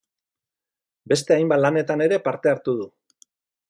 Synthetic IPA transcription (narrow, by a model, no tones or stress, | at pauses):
be̞st̪e̞ajmbalane̞t̪ane̞ɾe̞paɾt̪e̞aɾt̪uð̞u